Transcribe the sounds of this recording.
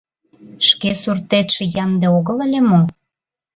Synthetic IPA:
ʃkesurt̪et̪ʃĕjɑnd̪eoɣələlʲemo

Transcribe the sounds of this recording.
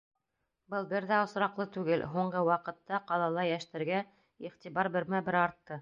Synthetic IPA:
bɤlˠbɘɾðæŏsɾɑqlˠɤt̪ʉɡɘlɦuɴɢɤwɑqɤ̆t̪ːɑqɑlˠɑlˠɑjæʃt̪ɘ̆ɾɡæ | iχt̪iβɑɾbɘ̆ɾmæbɘɾɑɾt̪ːɤ

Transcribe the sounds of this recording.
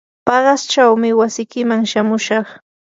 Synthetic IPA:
pɑɢɑst͡ʃawmɪwasɪjkɪmaŋʃamʊʃɑχ

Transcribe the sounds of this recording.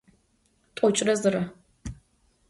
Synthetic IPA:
tʷʼɔt͡ʃʼɪrɐzɨɾɐ

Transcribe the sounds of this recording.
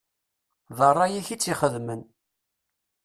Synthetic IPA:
ðˤərˤːɑjiçit͡sːiχəðmən

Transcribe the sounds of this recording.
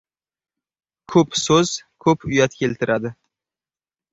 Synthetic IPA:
kʰɵpsɵz̥kʰɵpʊjat̪kʲʰelt̪ʰɪɾʔad̪ɪ

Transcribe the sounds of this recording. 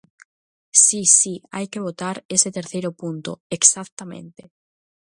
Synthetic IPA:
sisia̰jke̞β̞ot̪aɾe̞set̪e̞ɾθejɾopunt̪oeksak̚t̪amẽ̞̰nt̪e

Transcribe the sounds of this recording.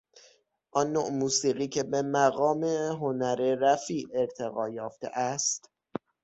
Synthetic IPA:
ʔɒnːoʔmuːsiːɣiːcʰe̞be̞mæɣɒːmeɦonæɾeɾæfiːeɾt̪ʰe̞ɣɒːjɒːft̪ḛʔæst̪

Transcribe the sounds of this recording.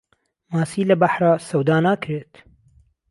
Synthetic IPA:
maːsiːlɐbaħɾaːsɐwd̪aːnaːkɾet̪

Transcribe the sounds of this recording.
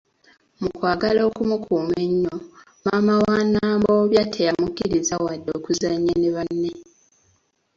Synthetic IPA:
mukwaːɡalo̞ːkumukʰuːme̞ɲːo | maːmawanaːmbo̞βjatʰejamukːiɾizawadːo̞ːkuzaɲːaneβanːe̞

